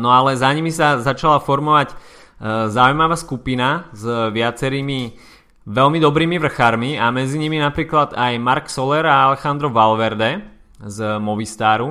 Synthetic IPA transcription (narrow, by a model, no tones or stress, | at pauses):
nɔalɛzaɲimisazat͡ʃalafɔɾmɔʋaɟ | zaujmaʋaːskupinazʋɪat͡sɛɾiːmi | ʋɛlmid̪ɔbɾiːmiʋr̩xaɾmiamɛd͡ziɲiminapɾiːklad̪ajmaɾksɔlɛɾaalɛxand̪ɾɔʋalʋɛɾd̪ɛ | zmɔʋist̪aːɾu